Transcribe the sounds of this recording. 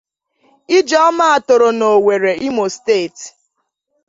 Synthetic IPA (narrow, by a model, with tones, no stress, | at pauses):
i˦d͡ʒɔ˦ma˦a˨tʊ˨ɾo˨no˨we˨ɾe˨i˦mo˨ste˦˨t